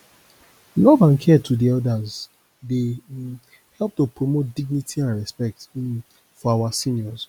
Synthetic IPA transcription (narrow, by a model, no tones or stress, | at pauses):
lɔvãnkʰɛtʰudiɔdaz | de | hɛlˠp̚topɹomot̚diɡ̚nitʰiãnɹɛspɛk̚t | fɔawasĩnjɔz